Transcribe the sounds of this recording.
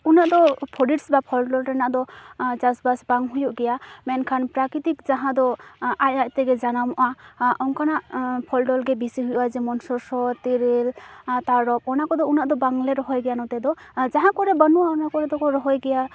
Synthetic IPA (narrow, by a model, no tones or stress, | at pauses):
unaʔd̪ɔpʰɔɖiʈsbapʰɔlɖɔlɾanaʔd̪ɔd͡ʒasbasbaŋɦujɔʔɡɛjamɛnkʰanpɾakɾit̪ikzaɦãd̪ɔajajt̪ɛɡɛzanamɔʔaʔɔŋkanaʔpʰɔlɖɔlɡɛbisiɦujuʔazɛmɔnsɔɾsɔt̪iɾilt̪aɾɔp̚ɔnakɔd̪ɔunaʔd̪ɔbaŋlɛɾɔɦɔjɡɛjanɔt̪ɛd̪ɔzaɦãkɔɾɛbɔnuaɔnakɔɾɛd̪ɔkɔɾɔɦɔjɡɛja